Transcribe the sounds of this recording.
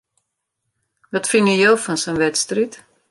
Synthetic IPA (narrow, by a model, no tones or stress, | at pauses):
dɔtfɪnəjowfɔnsənʋɛtstrit